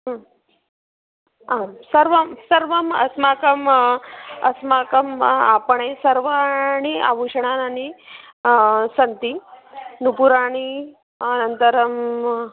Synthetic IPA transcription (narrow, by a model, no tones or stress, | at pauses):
aːmsɐɾʋɐmsɐɾʋɐmɐ̰smaːkɐm | ɐ̰smaːkɐmapɐɳeːsɐɾʋaɳia̰ʋuʂɐɳaːnani | sɐnt̪inupuɾaːɳ̃i | nɐnt̪ɐɾɐm